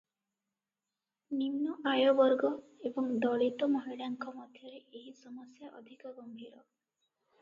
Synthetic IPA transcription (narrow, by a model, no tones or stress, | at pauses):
ninːɔʔajɔbɔɾɡɔebɔŋd̪ɔɭit̪ɔmɔɦiɽaŋkʰɔmɔd̪ʱjɔɾeʔeɦisɔmɔsjaʔɔ̰d̪ʱikɔɡɔmbʱiɾɔ